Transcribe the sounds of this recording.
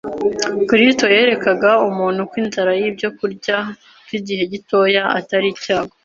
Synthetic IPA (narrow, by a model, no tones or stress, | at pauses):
kɾisto̞je̞ːɾe̞kaɡaumuːnhukwiːnzaɾajibjo̞kuɾɟa | kwiɟihe̞ɟito̞ːjaa̰taɾicaːɡo